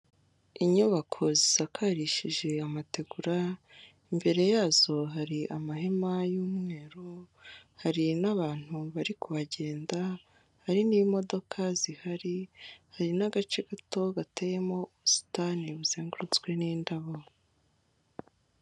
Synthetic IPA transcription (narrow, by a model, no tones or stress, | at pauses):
iɲuβakʰo̞ziz̥akʰaːɾiʃiʒe̞amate̞ɡuɾa | imbe̞ɾe̞jaːzo̞ɦaɾiʔamaɦe̞majuːmŋe̞ːɾo | haɾinaβaːn̥huβaɾikuβaɟe̞ːnda | haɾinimo̞do̞kʰazihaɾihaɾinaɡat͡ʃeɡato̞ɡateje̞mo̞uβusi̥taniβuz̥eːŋɡuɾut͡sɡwe̞niːndaβo